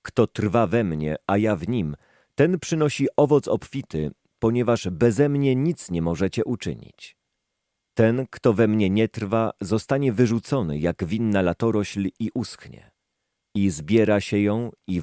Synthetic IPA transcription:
kt̪ɔt̪rvavɛmɲɛ̰ʔajavɲim | t̪ɛnpʂɘnɔɕiʔɔvɔt̪sɔpfʲit̪ɘ | pɔɲɛvaʐbɛzɛmɲɛɲit̪sɲɛmɔʐɛt͡ɕɛʔut͡ʂɘ̰ɲḭt͡ɕ | t̪ɛnkt̪ɔvɛmɲɛɲɛt̪ɾvazɔst̪aɲɛvɘʐut̪sɔnɘ̰jaɡvʲinːalat̪ɔɾɔɕlʲiʔuskɲɛ̰ | izbʲjɛɾaɕɛjɔ̃w̃i

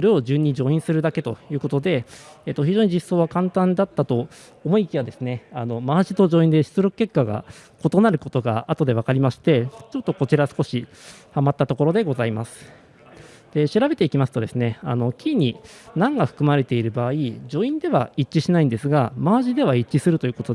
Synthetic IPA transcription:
so̞ɾe̞o̞d͡ʑɨɲ̟ːid͡ʑo̞ːĩsɨɾɯ̟d̪ake̞t̪o̞jɯ̟ːko̞t̪o̞d̪e̞eːt̪ːoçʲiʑo̞ːɲ̟iʑisːo̞ːβakãnt̪ãnd̪at̪ːat̪o̞ | omo̞ikʲiβad̪e̞sɨne̞ano̞maːʑit̪o̞ʑo̞ːĩnd̪e̞ɕi̥t͡sɨɾo̞kɯ̟kːe̞kːaɡa̰ | ko̞t̪o̞naɾɯ̟ko̞t̪o̞ɡa̰at̪o̞d̪e̞β̞akaɾʲimaɕi̥t̪e̞t͡ɕo̞t̪ːo̞ko̞t͡ɕiɾasɨ̥ko̞ɕihamat̪ːat̪o̞ko̞ɾo̞d̪e̞ɡo̞zaimasɨ̥ | d̪̥e̞ɕiɾabe̞t̪e̞ikʲimasɨ̥t̪o̞d̪e̞sɨne̞a̰no̞kʲʰiɲ̟inãŋɡaɸɯ̥kɯ̟maɾe̞t̪e̞iɾɯ̟baːid͡ʑo̞ːĩnd̪e̞βa̰it͡ɕːiɕinaĩnd̪e̞sɨɡamaːʑid̪e̞β̞ait͡ɕːisɨɾɯ̟t̪o̞iɯ̟ːko̞t̪o

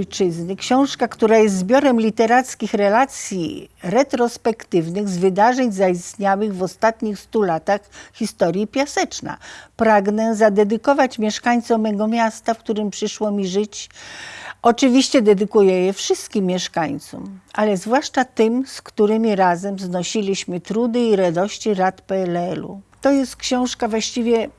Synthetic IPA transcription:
jt͡ʂɘznɘkɕɔ̃w̃ʂkakt̪uɾajɛst̪zbʲjɔɾɛmlʲit̪ɛɾat̪skʲixɾɛlat̪sʲjḭɾɛt̪ɾɔspɛkt̪ɘvnɘɣzvɘd̪aʐɛɲzaist̪ɲawɘɣvɔst̪at̪ɲixst̪ulat̪axxʲist̪ɔɾjipʲjasɛt͡ʂna̰pɾaɡnɛzad̪ɛd̪ɘkɔvat͡ɕmʲjɛʂkaɲt̪sɔmɛɡɔmʲjast̪afkt̪uɾɘmpʂɘʂwɔmʲiʐɘt͡ɕ | ɔt͡ʂɘvʲiɕt͡ɕɛd̪ɛd̪ɘkujɛjɛfʂɘst̪kʲimːjɛʂkaɲt̪sṵmʔalɛzvwaʂt͡ʂat̪ɘmskt̪uɾɘmʲiɾazɛmznɔɕilʲiɕmɘt̪ɾud̪ɘiɾad̪ɔɕt͡ɕiɾat̪pɛɛlɛlṵt̪ɔjɛst̪kɕɔ̃w̃ʂkavwaɕt͡ɕivʲjɛ

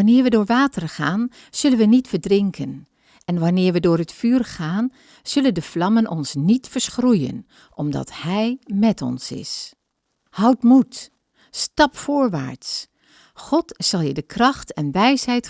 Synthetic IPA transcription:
ɑnɪːɹʋədʊːɹʋaːtərχaːn | z̥ɵlənʋənitfəɹdrɪŋkʰən | ʔɛnʋɑnɪːɹʋədʊːɹɦətfyːrχaːn | z̥ɵləndəflɑmənʔɔnsnitfəɹsχrujə̰n | ʔɔmdɑ̰thɛjmɛtɔ̰nsɪ̰s | hʌwtmutː | tɑpfʊːɹʋa̰ːɹts | χɔtsɑlˠjədəkrɑχtʰɛnʋɛjsɦɛjt

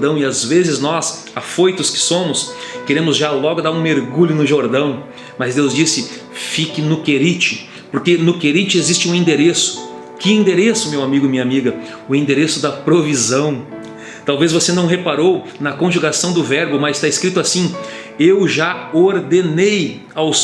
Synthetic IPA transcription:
d̪ɐ̃w̃ɪazvezɪznɔs | afojt̪ʊskɪ̥sõmʊskeɾẽmʊzʒalɔɡʊd̪aɾũmeɾɡuʎʊnʊʒoɾd̪ɐ̃w̃ | mɐzd̪ewzd͡ʒisɪ | fikɪnʊkeɾit͡ʃɪ | poɾkenʊkeɾit͡ʃɪezist͡ʃɪũĩd̪eɾesʊ̥ | kɪĩnd̪eɾesʊmewamiɡʊmĩɲɐamiɡɐ | ʊĩnd̪eɾesʊd̪ɐpɾovizɐ̃w̃ | t̪awvezvosenɐ̃w̃ɦepaɾow | nɐkõʒuɡasɐ̃w̃d̪ʊvɛɾbʊmɐzɪst̪aɪskɾit̪ʊasĩ | ewʒaoɾd̪enej | aws

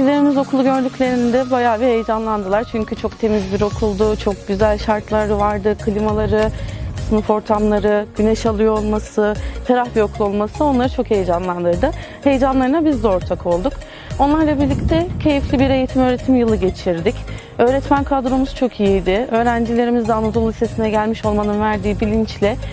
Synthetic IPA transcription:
ilʲeɾimizo̞kʰulˠuɟø̞ɾd̪ycʰʲlʲe̞ɾinid̪ɛbajaːbihejd͡ʒanlˠand̪ɯlˠaɾt͡ʃʰyɲcʰyt͡ʃʰo̞kt̪ʰe̞mizbiɾo̞kʰulˠd̪ʊt͡ʃʰo̞k̚ɟyzælʲʃaɾt̪ʰlˠaɾvaɾd̪ɯkʰɯlʲimalˠaɾɯsɯnɯfo̞ɾt̪ʰamlˠaɾɯɟ̥ynɛʃalˠɯjoolˠmasɯt̪ʰaɾafijo̞klˠo̞lˠmasɯo̞nlˠaɾɯt͡ʃʰo̞khe̞jed͡ʒanlˠand̪ɯɾɯd̪ɯ | he̞jed͡ʒanlˠaɾɯnabizd̪o̞ɾt̪ʰakʰo̞lˠd̪uk | o̞nlˠaɾlˠabiɾlʲict̪ʰɛcʰe̞jiflʲibiɾe̞jet̪ʰimø̞ːɾe̞t̪ʰimjɯlˠɯɟe̞t͡ʃʰiɾd̪ic | ø̞ːɾɛt̪mænkʰad̪ɾomuz̥t͡ʃʰo̞kʰijijd̪ɪø̞ːɾænd͡ʒilʲe̞ɾimizd̪ɛanad̪ulˠist̪ʰe̞sinɛɟælʲmiʃo̞lˠmanɯnvæɾd̪iːbilʲint͡ʃlʲɪ

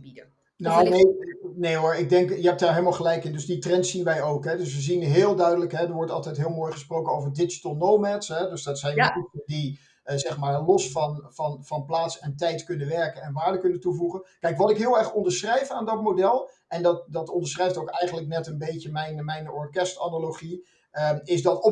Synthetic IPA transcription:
bidə | nonejnejoːɹɪɡ̚dɛŋkjəɦɛp̚daːɹɦeɪlˠmalˠχəlɛjkɪndɵsditrɛntsinʋɛjowkɦɛdɵsʋəzinɦɪːlˠdœɥdələkɦɛdəɹʋɔɹtɑlˠtɛjtɦɪːlˠmoːjχəsprowkənowvəɹdɪd͡ʒi̥təlˠnowmɛtsɦɛdøsdɑtsɛjnʋtuədi | zɛχmaːɹlɔsfɑnvɑnvɑnplaːtsɛntɛjtkɵnəʋɛɹkənɛnʋaːɹdəkɵnətuvuχənkɛjkʋɑtɪkɦɪːlˠɛɹχɔndəɹsχrɛjfaːndɑt̚mowdɛlˠʔɛndɑtdɑtɔndəɹsχrɛjftowkɛjχənləknɛtənbejcəmɛjnmɛjnɔ̰ɹkɛstanaloχi | əɪsdɑt

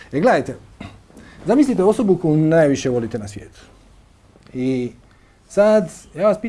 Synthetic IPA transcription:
eɡled̪ajt̪e | zamislit̪eo̞so̞bukojunajʋiʃeʋo̞lit̪enasʋjḛːt̪u̥ | i | sad̪jaːʋaspiː

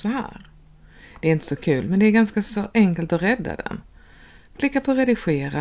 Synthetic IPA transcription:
sɔɦæ̰ːɾ | d̪̥ɛːɾɪnt̪ə̥sɔkʰʉ̟ːlmɛnd̪ɛːɾɡanskasɔʔɛŋkəlt̪ɔɾɛd̪ːa̰d̪ɛ̰n | kʰlɪkːapʰɔɾɛd̪ɪɧeːɾa

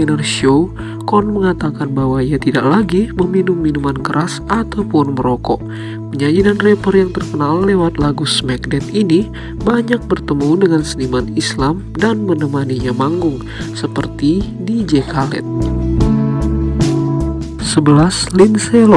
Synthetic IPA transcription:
inərʃo | kɔnməŋat̪akanbawaiat̪ida̰ʔlaɡiməminumːinumankəɾʔasat̪awpʊnməɾɔkɔʔ | pəɲaɲidanrepərjaŋt̪ərkənalːewat̪̚laɡusmak̚nɛt̪ini | baɲak̚bərt̪əmudəŋansənimanislam | danmənəmaniɲamaŋɡʊŋ | səpərt̪i | did͡ʒekalɛ̰t̪̚ | səbəlaslinselo

